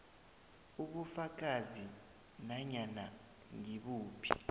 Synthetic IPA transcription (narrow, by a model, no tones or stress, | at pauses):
uɓufak̬ʼazi | naɲana̰ | ŋiɓuːpʰi̥̰